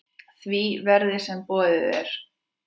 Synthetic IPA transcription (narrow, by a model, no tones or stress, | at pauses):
θvivɛɾðɪsɛmpɔːðɪðɛɾ̥